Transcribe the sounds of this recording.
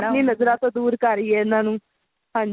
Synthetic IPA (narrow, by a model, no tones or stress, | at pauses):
nninəd͡zɾat̪od̪uːɾkaɾjenanũ | ãn